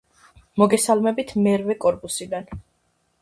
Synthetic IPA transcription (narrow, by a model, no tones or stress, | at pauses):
mɔɡɛsalˠmɛbit̪ʰmɛɾvɛkʼɔɾpʼusid̪an